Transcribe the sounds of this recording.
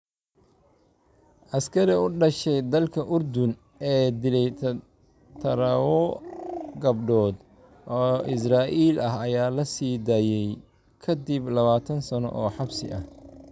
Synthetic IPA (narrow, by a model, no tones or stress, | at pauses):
ʔɐskʰɐɾɪʊɖɐʃɛjd̪ɐlkʰɐʔʊrd̪ʊn | ɛːd̪ɪlɛjt̪ʰ | t̪ʰɐɾɐwɔ | ɡɐbɖɔːd̪ | ʔɔːʔɪs̬raːʔiːlɐɦɐjaːlɐsiːd̪aːjɛj | kʰɐd̪iblɐβaːt̪ʰɐnsɐnɔ̰ʔɔːħɑbsɪ̰ʔɐh